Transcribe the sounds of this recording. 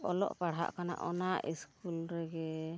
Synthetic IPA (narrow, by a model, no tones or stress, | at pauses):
ɔlɔ̰ʔpaɽɦa̰ʔkana̰ʔɔnaʔiskulɾɛɡɛ